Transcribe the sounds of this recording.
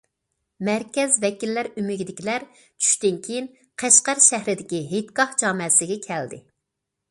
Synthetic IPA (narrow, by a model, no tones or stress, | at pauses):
mæɾkʲɛzvɛkʲilːæɾymɪɡʲid̪ɪkʲilæɾ | t͡ʃʰy̥ʃt̪ɪnkʲʰejin | qʰæʃqæɾʃæɦɾɪd̪ɪkʲiɦet̪kɑhd͡ʒɑːmɛsɪɡʲɛkʲʰæld̪ɪ̰